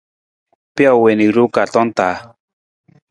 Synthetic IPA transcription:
pja˦˨we˨ni˨ɾu˦ka˨tɔ˦n˦t̪a˨˦

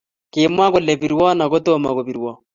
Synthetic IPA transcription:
ke˨mwa˦ko˨lɛ˨pi˨ɾwɔ˦na˨ko˦to˦ma˨ko˨βi˨ɾwɔ˦

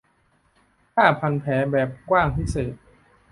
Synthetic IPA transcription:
k̪ʰaː˥˩pʰa˧npʰɛː˩˦bɛː˨˩p̚kwaː˥˩ŋpʰi˦˥seː˨˩t̪̚

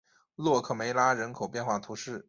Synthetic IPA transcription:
lwɔ˥˧kʰɤ˥˩me˧˥ɪla˥ɻə˧˥nkʰo˨˩ʊpjɛ˥˧nxwa˥˩t̪ʰu˧˥ʂɻ̩˥˩

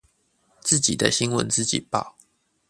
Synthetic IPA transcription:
t͡sɹ̩˥˩t͡ɕḭ˨˩d̪ə˦ɕi˦ŋwə˧˦nt͡sɹ̩˥˧t͡ɕḭ˨˩pɑ˥˩ʊ

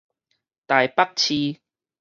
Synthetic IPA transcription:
t̪aː˨jpɐ˥k̚t͡ɕʰiː˧

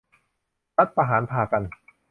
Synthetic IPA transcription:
ɾa˦˥t̪̚pa˧ɦaː˩˦npʰaː˨˧˩ka˧n

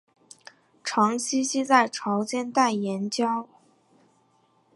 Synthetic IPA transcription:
ʈ͡ʂʰɑ˧˥ŋɕi˥ɕi˥t͡sa˥˩ɪʈ͡ʂʰɑ˧˥ʊt͡ɕjɛ˥nt̪a˥˩ɪjɛ˧˥nt͡ɕjɑ˥ʊ

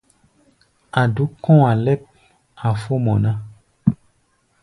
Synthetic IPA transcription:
a˨du˨˦kɔ̃˦a˨lɛ˦˨p̚ | a˨fo˦mɔ̃˨nã˦

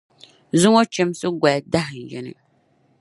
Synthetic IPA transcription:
zʊ˦ŋo˦t͡ʃɛ˨msɨ˦ɡʷa˨da˦hɨ˨n˨jɛ˨nɨ̰˦

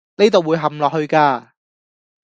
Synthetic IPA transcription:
ne˥jt̪o˨wu˨˧jɦɐ˨˩mlɔː˨k̚hɵ˧ɥkaː˧

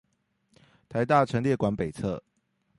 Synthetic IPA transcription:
t̪ʰa˧˦ɪt̪a˥˨ʈ͡ʂʰə˧˥ŋljɛ˥˨kwa˨˧˥npe˨˩ɪt͡sʰɤ̰˥˨

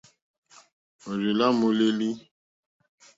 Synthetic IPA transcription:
o˨ɾi˨la˦mo˨le˦li˦

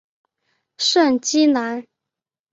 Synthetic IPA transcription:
ʂə˥˩nt͡ɕi˥na˧˥n

